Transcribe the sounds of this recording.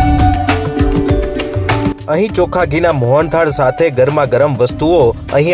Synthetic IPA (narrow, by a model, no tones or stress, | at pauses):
əɦĩt͡ʃokʰaɡʱinamoɦɔnt̪ʰaɽsat̪ʰeɡəɾmãɡəɾəmʋəst̪uo | ə̰̃ɦĩ